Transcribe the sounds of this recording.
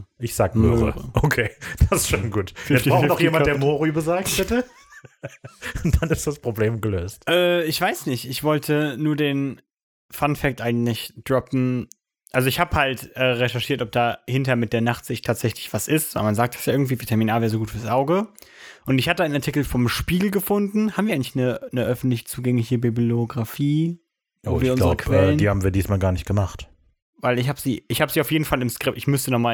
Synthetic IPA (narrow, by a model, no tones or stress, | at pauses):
ʔɪçz̥a̰ːɡəmøøʁə̰ʁəʔokʰeːd̥asɪsʃoːnɡuːtɛstaʊnɔχxjeːmand̥eːɐmoːʁybəzaːk̚thɛtə | nd̥anɪstd̥aspʁ̥obleːmɡəløːstʔɛːɪçv̥aɪsnɪçtɪçv̥ɔltʰənuːɐdeːn | fanfɛk̚tʔaɪɡŋ̩tlɪçd̥ʁɔpn̩ | ʔalzoɪçhaːbəhaltʔɛːʁeʃɛɐʃiːɐtɔp̚d̥aːhɪntɐɐmɪt̚d̥eːɐnaχtz̥ɪçtʰaːtz̥ɛçlɪçv̥asʔɪstz̰manzaːk̚d̥asjaʔɪɐɡŋ̩tviːviɐtʰɛɐminaːɐvɛːʁzoɡuːtfyːɐsʔaʊɡəʔʊntɪçhatəaɪnaɐtʰɪkl̩fɔmʃpiːɡl̩ɡəfʊndn̩habmviːɐaɪŋlɪçnənəʔœfn̩tlɪçət͡suːɡɛŋlɪçəbibioɡʁafiː | voːviɐʔʊnlaʁːəbkʰvɛɛːləniːhaːbm̩viːɐdiːsmaːlɡaːɐnɪçtɡ̥əmaχt | vaɪlɪçhaːbəziːʔɪçhaːbəziːaʊfjeːdn̩falɪmskʁ̥ɪpɪçmʏstənɔχmaː